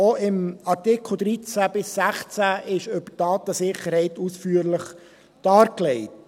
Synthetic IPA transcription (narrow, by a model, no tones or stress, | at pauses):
oɪmɑɾtɪkʰl̩ˠd̪ɾit͡sæb̥ɪsːæχt͡sæʔɪʃɵb̥əd̥ɑːt̪əsɪχːəɾhɛɪtusfyːəɾləχ | d̥ɑːɾklɛɪt